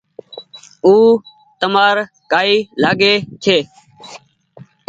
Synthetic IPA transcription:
uː | t̪əmaːɾ | kaːiːlaːɠeːt͡ʃʰeː

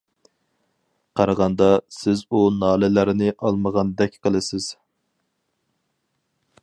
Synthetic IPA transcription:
qʰɑɾəʁɑnd̪ɑsɪzunɑːlɪlæɾnɪʔɑlˠməʁɑnd̪ɛkʲqʰəlˠɨsɪz̥

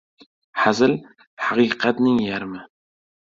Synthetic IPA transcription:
ħazɪl | ħɑqiːqat̪nɪŋjæɾmɪ

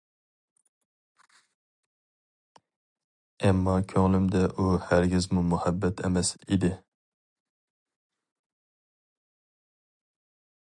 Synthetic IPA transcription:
ɛmːɑkʲʰøŋlɪmd̪ɛʔuhæɾɡʲɪzmumuhɛbːɛt̪ʰɛ̰mɛsid̪ɪ

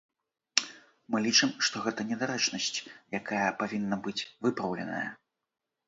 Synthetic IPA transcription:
mɨlʲit͡ʂɨmʂt̪ɔɣɛt̪ɐnʲɛd̪aɾɛt͡ʂnɐsʲt͡sʲjakʰajɐpavʲinːɐbɨt͡sʲvɨpɾɐwlʲɛ̰nɐ̰jɐ̰

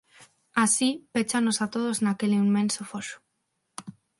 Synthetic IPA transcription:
asipet͡ʃanosat̪oðoznakeliimːẽnsofosu̥

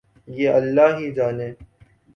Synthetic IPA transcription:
jeːɐlːaːɦid͡ʒaːneː

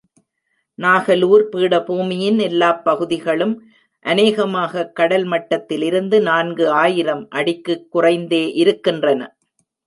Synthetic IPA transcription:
naːɣɐluːɾpiːɽɐpuːmɪjɪnɛlːaːpːɐɣɯðɪɣɐɭɯm | ʔɐneːɣɐmaːɣɐkːɐɽɐlmɐʈːɐt̪ːɪlɪɾɯnd̪ɯnaːnɡɯaːjɪɾɐmʔɐɽɪkːɯkːʊrɐɪnd̪eːʔɪɾɯkːɪndrɐnɐ̰

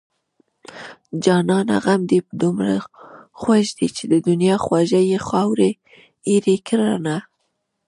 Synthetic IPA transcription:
d͡ʒɑnɑna̰ɣamd̪ipd̪umɾa̰xwaʒd̪it͡ʃed̪əd̪ʊnjɑxwaʒajexɑwɾe | iɾekɾɑna

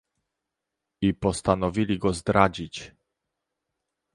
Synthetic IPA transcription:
ipɔst̪anɔvʲilʲiɡɔzd̪ɾad͡ʑit͡ɕ

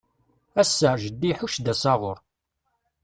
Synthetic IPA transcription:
æsːæʒəd̪ːiħuʃd̪æsɑʁʊɾ

